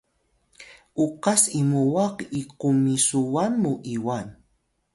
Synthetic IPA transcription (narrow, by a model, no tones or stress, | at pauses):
uqasimuwaqiqumisuwanmuʔiwan